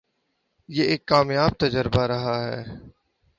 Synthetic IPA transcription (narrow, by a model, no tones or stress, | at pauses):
jeːɪːkːaːmjaːb̚t̪əd͡ʒəɾbaːɾəɦaːɦɛː